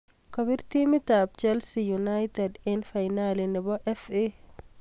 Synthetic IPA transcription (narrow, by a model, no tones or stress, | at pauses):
kɔβɪrt̪imɪt̪aːb̚t͡ʃɛlsijunajt̪ɛd̪ɪnfajnaːlɪnɪβɔʔɛfɛ